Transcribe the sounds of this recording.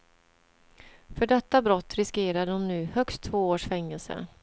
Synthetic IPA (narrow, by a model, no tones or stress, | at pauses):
fœɖɛt̪ːabɾɔt̪ːɾɪskeːɾaɔmnʉ̟ːhœkst̪ʰːvoːoːʂfɛŋːɛlsə̰